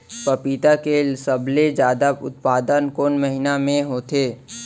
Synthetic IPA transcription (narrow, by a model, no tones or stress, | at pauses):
pəpiːt̪akesəbled͡ʒjaːd̪aʊ̰t̪̚paːd̪ənkonməɦɪnamẽɦoːt̪eː